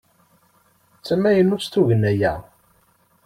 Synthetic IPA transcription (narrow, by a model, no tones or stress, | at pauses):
t͡sːæmːæjənːuɾst̪uʝənːæjæ̰